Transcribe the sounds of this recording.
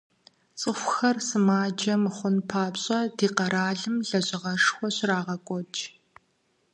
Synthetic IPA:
t͡sʼɨxʷxɐrsɨmaːd͡ʒɐmɨχʷʊnpʰaːbɕʼɐdiːqɐɾʔaːɮɨmɮɐʑʼɪʁɐʂxʷɔɕraːʁɐkʷʼɔt͡ʃʰʼ

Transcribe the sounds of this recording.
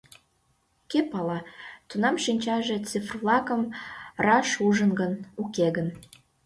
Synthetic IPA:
kepɑlɑt̪unɑmʃinʲt͡ɕɑʒet͡sifrvlɑkəmrɑʃuʒənɡənukeɣən

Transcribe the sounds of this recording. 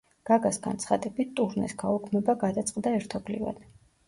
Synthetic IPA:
ɡ̥aɡasɡa̰nt̪sʰχad̪ɛbit̪t̪ʼuɾnɛ̰sɡaukʰmɛbaɡad̪at̪sʼqʼd̪aɛɾt̪ʰɔbliva̰d̪̥

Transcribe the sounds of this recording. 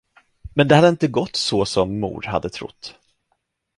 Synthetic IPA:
mɛnd̪ɛhad̪əɪnt̪əɡɔt̪ːsɔsɔmːṵːɖha̰d̪ːət̪ʰɾʊ̰t̪ː

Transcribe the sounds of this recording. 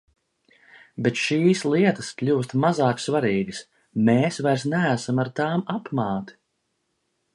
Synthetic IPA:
bɛt̪ʃiːslˠiɛt̪ɐ̥sklʲuːst̪mazaːksvaɾiːɡis | meːsvajɾsnææsamaɾt̪aːmapmaːt̪i̥

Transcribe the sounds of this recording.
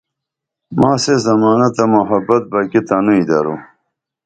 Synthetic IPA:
maːsezɐmaːnɐt̪ɐmoɦɐbɐt̪̚bɐkit̪anuid̪ɐɾu

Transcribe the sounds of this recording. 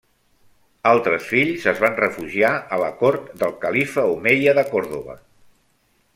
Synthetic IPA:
alˠt̪ɾəsfiʎzəzβanrəfuʒiaələkɔɾt̪d̪əlˠkəlifəumejəðəkɔɾðoβə̰

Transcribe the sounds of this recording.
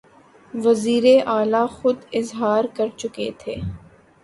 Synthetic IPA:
ʋɐziːɾeʔaːlaxʊd̪ɪzɦaːɾkɐɾt͡ʃʊket̪ʰeː

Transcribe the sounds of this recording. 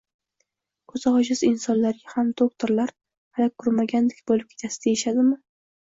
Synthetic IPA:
kʰɵz̥ɒʃɪzɪnsɒnlaɾɡʲahamd̪ok̚t̪ʰoɾlaɾ | halakʰːʊɾmaɡʲand̪ɪkʲbolɪp̚kʲʰe̞t̪ʰasɪ̥d̪ajeʃad̪ɪmɪ

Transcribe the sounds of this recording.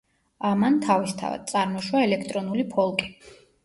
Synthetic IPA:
amant̪ʰavist̪ʰa̰va̰d̪̚t̪sʼaɾmɔʃwaɛlɛkʰt̪ʼɾɔnulipʰɔlˠkʼi̥

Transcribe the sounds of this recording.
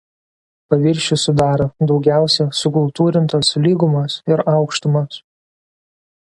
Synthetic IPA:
pɐʋʲɪɾʲʃʲʊsʊd̪ɑːɾod̪ɒʊɡʲæˑʊsʲɛsʊkʊlˠt̪uːɾʲɪnt̪oslʲiːɡʊmɐsɪɾɑˑʊkʃt̪ʊmɐs

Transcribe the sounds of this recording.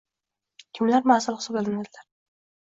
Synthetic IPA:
kʲʰɪmlaɾmasɪlˠχɨ̥sɒbelɪnad̪ɪlaɾ

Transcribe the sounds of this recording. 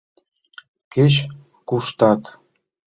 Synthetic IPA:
ket͡ɕ | kuʃt̪ɑt̪

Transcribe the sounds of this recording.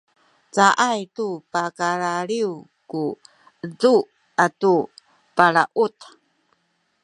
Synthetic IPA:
t͡saʔajtupakaɭaɭiwku | əd͡zu | atu | paɭaʔut̪

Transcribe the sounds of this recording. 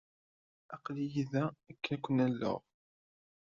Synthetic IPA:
æqlijiðæækːnækʷːənælːə̰ʁ

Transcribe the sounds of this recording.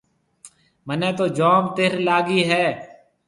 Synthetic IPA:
mənẽːt̪oːd͡ʒoːmt̪ɪɾlaːɡiːɦɛː

